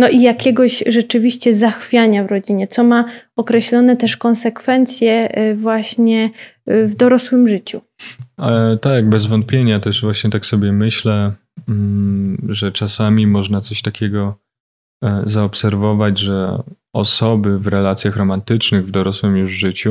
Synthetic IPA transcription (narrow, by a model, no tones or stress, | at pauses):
nɔʔijakʲɛɡɔɕʐɛt͡ʂɘvʲiɕt͡ɕɛzaxfʲjaɲavɾɔd͡ʑiɲɛt̪sɔmaɔkɾɛɕlɔnɛt̪ɛʂkɔnsɛkfɛnt̪sʲjɛvwaɕɲɛ | vd̪ɔɾɔswɘmʐɘt͡ɕu | t̪aɡ̚bɛzvɔnt̪̚pʲjeɲat̪ɛʐvwaɕɲɛt̪aksɔbʲjɛmɘɕlɛ | ʐɛt͡ʂasamʲimɔʐnat̪sɔɕt̪akʲʰɛɡɔ | zaɔpsɛɾvɔvad͡ʑʐɛ | ɔ̰sɔbɘvɾɛlat̪sʲjaxɾɔmant̪ɘt͡ʂnɘɣvd̪ɔɾɔswɘmjuʐʐɘt͡ɕu